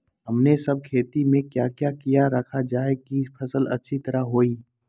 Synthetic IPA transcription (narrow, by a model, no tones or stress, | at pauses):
ɦɐmnesɐb̚kʰeːt̪imẽkjaːkjakijaɾɐkʰad͡ʒaːekipʰɐsəlɐ̰tːʃʰit̪ɐɾəɦɦoːiː